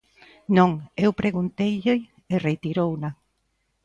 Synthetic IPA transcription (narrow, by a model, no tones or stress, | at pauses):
nõŋewpɾeɣunt̪ejʎej | eret̪iɾowna